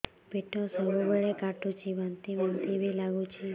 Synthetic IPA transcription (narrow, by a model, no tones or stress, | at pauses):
peʈʰosəbubəɭekaʈʰut͡ʃʰiʋant̪iʋant̪ibʱilaɡũt͡ʃʰi